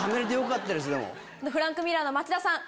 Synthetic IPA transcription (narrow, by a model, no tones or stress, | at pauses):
ameɾet̪ejokat̪ːaɾes̬ɨd̪e̞̰mo̰ | onoɸɯ̟ɾãŋkɯ̟mʲiɾanomat͡ɕid̪asãŋ